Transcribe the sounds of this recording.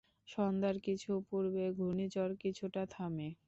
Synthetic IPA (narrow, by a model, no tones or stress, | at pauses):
ʃɔnd̪aɾkit͡ɕʰupuɾbeɡʱunid͡ʑɔɾkit͡ɕʰuʈat̪ʰame